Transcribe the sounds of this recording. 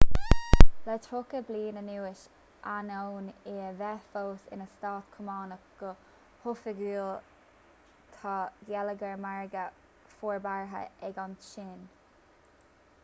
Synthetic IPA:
lɛt̪ʰɾokəbliːnənuːɪʃ | ʔanownɪvɛfoːsɪ̰nəst̪ɑːt̪kʰʊmɑːnəɡ̥ə | hʊfəɡuːl | t̪ʰɑːɡjɛləɡəɹmaɹɡə | foːɹbaɹɦə̰ɛɡɔnʃɪn

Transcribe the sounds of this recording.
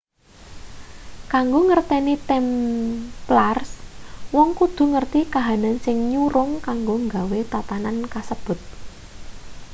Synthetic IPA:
kaŋɡoŋərt̪ɛnit̪ɛm | plarswɔŋkud̪̥ṳŋərt̪ikaɦanansɪŋɲuɾʊŋkaŋɡoŋɡawet̪at̪anankasəb̥ʊ̤t̪̚

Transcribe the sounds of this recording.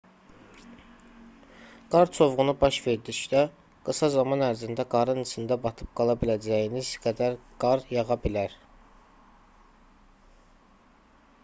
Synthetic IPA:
ɡ̥ɑɾt͡ʃʰo̞vʁunubɑʃve̞ɾd̪iʃlæ | ɡ̥ɯsɑzɑmɑnæɾzind̪æɡɑɾɯnɯt͡ʃ̪ʰɯnd̪æbɑt̪ʰɯ̥p̚ɡ̥ɑlˠɑbilæd͡ʒæjinizɡæd̪æɾɡ̥ɑɾjɑʁɑbilæɾ

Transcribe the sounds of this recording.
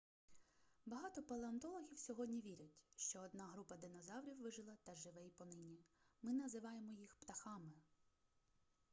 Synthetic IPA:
bɐɦɑt̪ɔpɔlˠeɔnt̪ɔlˠɔɦʲiwsʲɔɦɔdʲnʲiʋʲiɾʲɐtʲʃt͡ʃɔːd̪nɑɦɾupɐd̪ɪnɔzɑwɾʲiwʋɪʒɪlˠɐt̪ɐʒɪʋɛjpɔnɪnʲimɪnɐzɪʋɑjemɔjixpt̪ɐxɑmɪ

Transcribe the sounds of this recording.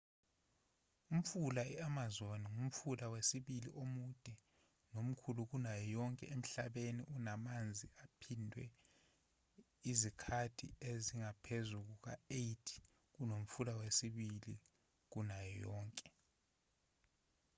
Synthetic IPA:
um̩fulaɛamazoniŋum̩fulawesiɓiliʔomud̥ʱɛ | nom̩kʰuluk̬unajɔjɔŋkʼɛ̰em̩ɬaɓenḭʔunamand͡zʱiapʰindʱwɛ̰ | izikʰatʰḭeziŋapʰezuk̬uk̬a̰ejtʰi̥ | k̬unom̩fulawesiɓili | k̬unajɔjɔːŋkʼɛ

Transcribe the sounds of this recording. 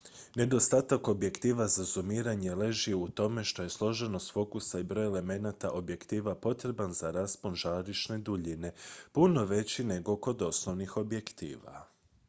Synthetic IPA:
ne̞d̪o̞st̪at̪ako̞bje̞kt̪iːʋazazumiːɾaɲe̞le̞ʒieut̪o̞me̞ʃt̪o̞je̞slˠo̞ʒe̞no̞sfo̞kusaibɾo̞jele̞me̞nat̪aʔo̞bje̞kt̪iːʋapo̞t̪ɾe̞banzaɾaspo̞nʒaːɾiʃne̞d̪uʎine̞puno̞ʋe̞t͡ɕine̞ɡo̞ko̞d̪o̞sno̞ʋnixo̞bje̞kt̪ḭːʋa̰

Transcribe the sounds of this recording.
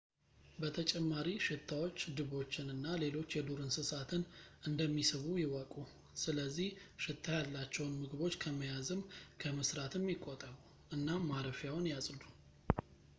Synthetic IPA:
bət̪ʰət͡ʃʼɛmːaɾiʃɪt̪ʰːawo̞t͡ʃːd̪ɨβo̞t͡ʃːɪnɨnːale̞lo̞t͡ʃːjɛd̪uɾɨnsɨsat̪ʰɨnɨnd̪əmːisɨβujɪwəkʼu | sɨləzːihʃɪt̪ʰːajalːat͡ʃːɛwnmɨɡɨbo̞t͡ʃːkʰəməjazɨmkʰəməsɾat̪ʰɨmjɪkʼːot̪ʼəɾu | ʔɨnːamaɾəfjawnjasʼlu̥

